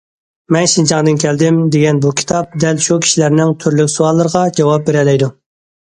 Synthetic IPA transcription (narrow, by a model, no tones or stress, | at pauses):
mɛnʃint͡ʃʰɑŋd̪ɨnkʲʰɛld̪ɪmd̪eɡʲɛnbukʲʰi̥t̪ʰɑp̚d̪ɛlʃukʲʰi̥ʃilæɾnɪŋt̪ʰyɾlykʲsuɑlˠːɨɾəʁɑd͡ʒɑwɑp̚beɾɛlɛjd̪u